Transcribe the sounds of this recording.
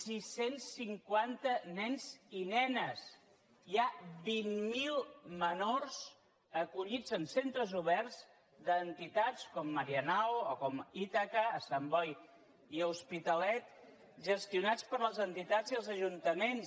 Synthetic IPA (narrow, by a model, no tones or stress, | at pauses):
sisensːiŋkwant̪ənɛnzinɛnəs | iaβimːilˠmənorz̥ | əkuʎid͡zənsent̪ɾəzuβɛrz | d̪ənt̪it̪at͡skɔmːəɾiənawokɔmit̪akəːsambɔj | iəuspit̪əlɛt̪̚ | ʒəst̪iunat͡spəɾləzənt̪it̪aziəlˠzəʒunt̪əmens